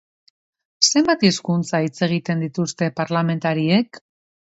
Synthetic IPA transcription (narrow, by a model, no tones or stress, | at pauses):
se̞mbat̪iskunt͡sait͡se̞ɣ̞it̪e̞nd̪it̪ust̪e̞paɾlame̞nt̪aɾie̞k